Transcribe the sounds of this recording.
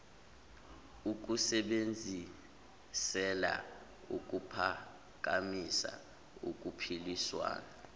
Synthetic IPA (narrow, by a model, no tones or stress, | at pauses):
uk̬usɛɓend͡zʱi | sɛla̰ | uk̬ʼupʰa | k̬ʼamisa̰ | uk̬ʼupʰiliswa̰ːna